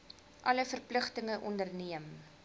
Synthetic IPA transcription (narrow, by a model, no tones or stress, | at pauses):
ʔɐləfərpləχtəŋəʔɔndərniəm